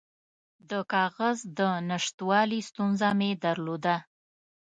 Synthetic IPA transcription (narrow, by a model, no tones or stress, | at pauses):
d̪əkɑɣazd̪ənaʂt̪wɑlist̪unzamed̪aɾlod̪a